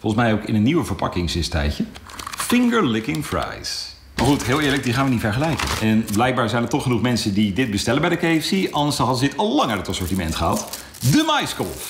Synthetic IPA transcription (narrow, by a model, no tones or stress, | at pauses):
fɔlˠənsmɛjowkɪ̰nənːiwəvəɹpɑ̰kɪŋsɪstɛ̰jcə | fɪŋɡəɹlɪkɪŋfɹa̰js | maːɹχutɦɪːlˠɪːɹləɡ̚diχaːnʋənitfɛɹχəlɛjkə̰nɛnblɛjk̚baːɹzɛjnəɹtɔχənuχmɛnsəndidɪt̚bəstɛləbɛjdəkejfsiɑndəɹsɑɦɑdəzəɪtɑlˠlːɑŋaɹdɑtəsɔɹtimɛ̰ntχəɦɑt | dəmajskɔ̰lˠf